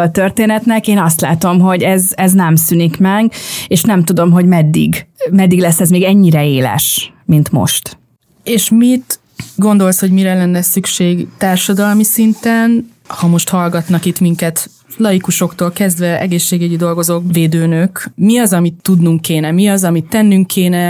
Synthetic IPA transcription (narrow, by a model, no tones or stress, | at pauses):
ɒt̪ørt̪eːnɛt̪nɛkeːnɒs̬t̪la̰ːt̪o̞mɦo̞ɟɛzɛznɛmsynikmɛɡeːʃnɛmt̪ud̪o̞mɦo̞ɟmɛd̪ːḭɡmɛd̪ːiɡlɛsːɛzmeːɡɛɲːiɾɛeːlɛ̰ʃ | mint̪mo̰ʃt̪ | eːʃmit̪ | ɡo̞nd̪o̞lsho̞ɟmiɾɛlɛnːɛsykʃeːɡt̪aːrʃɒd̪ɒlmisint̪ɛn | hɒmo̞ʃt̪hɒlɡɒt̪nɒkit̪miŋkɛt̪ | lɒjikuʃo̞kt̪oːlkɛzd̪ʋɛʔɛ̰ɡeːʃːeːɡyɟid̪o̞lɡo̞zoːkveːd̪øːnøkmiɒzɒmit̪ːud̪nuŋkːeːnɛmiɒzɒmit̪ːɛnːyŋkʰeːnɛ